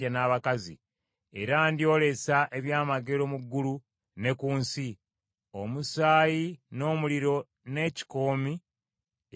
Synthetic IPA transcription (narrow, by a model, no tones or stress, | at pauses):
anaːβakazḭ | e̞̰ɾandio̞ːle̞saʔe̞βjaːmaɡe̞lo̞muɡːulu | ne̞kuːnsi | o̞musaːjino̞ːmuliɾo̞ | ne̞ːci̥ko̞ːmi